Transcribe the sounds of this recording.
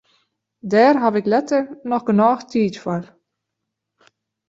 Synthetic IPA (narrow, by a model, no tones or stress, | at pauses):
dɛːrɦavɪklɛtərnɔxɡənaːxtʰiːtfɔr